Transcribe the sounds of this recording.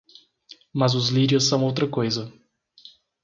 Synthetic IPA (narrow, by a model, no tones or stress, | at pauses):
mɐzʊzliɾiʊsːɐ̃w̃owt̪ɾɐkojzɐ